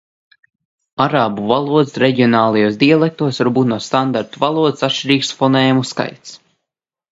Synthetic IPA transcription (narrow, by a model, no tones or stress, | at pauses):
aɾaːbuvalˠuɔd̪sɾɛɟiɔnaːlˠajuːsd̪ialˠɛk̚t̪uɔsvaɾbuːt̪nuɔst̪and̪aɾt̪uvalˠuɔd̪ɨsat̪ʃt͡ʃiɾiːksfɔnɛːjamuska̰jt̪s